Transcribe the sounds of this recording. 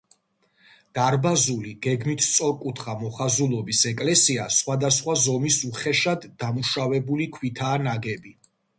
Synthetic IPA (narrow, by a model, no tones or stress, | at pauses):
d̪̥aɾbazuliɡ̥ɛɡmit̪ʰt̪sʼɔɾkʼut̪ʰχamɔχazulˠɔbisɛkʼlɛsiasχwad̪asχwazɔmisuχɛʃad̪ːamuʃavɛbulikʰwit̪ʰaːnaɡɛbi